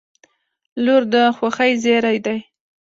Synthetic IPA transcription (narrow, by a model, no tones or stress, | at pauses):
loɾd̪əxwaxajzeɾajd̪aj